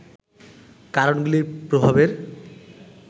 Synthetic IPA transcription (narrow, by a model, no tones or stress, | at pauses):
kaɾonɡulipɾobʱabeɾ